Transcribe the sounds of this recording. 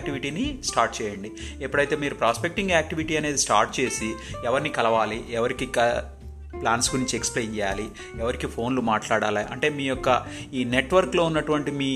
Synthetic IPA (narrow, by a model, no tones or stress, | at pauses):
k̚ʈiʋiʈiːnisʈaːɾʈt͡ʃɛːjɐɳɖi | epːuɽɐjt̪e̞ːmiːɾupɾaːspek̚ʈiŋɡaːk̚ʈiʋiʈiːɐne̞ːd̪isʈa̰ːɾʈ̚t͡ʃe̞ːsiɛʋɐɾnikɐlɐʋaːliɛʋɐɾikikɐ | plaːnskuɾiɲt͡ʃiekspleːnt͡ʃɛjaːli | ɛʋɐɾikipʰo̞ːnlumaːʈlaːɽaːlaːiʔɐ̰ɳʈe̞ːmiːjɔkːɐiːneʈʋɐɾkloːunːɐʈuʋɐɳʈimiː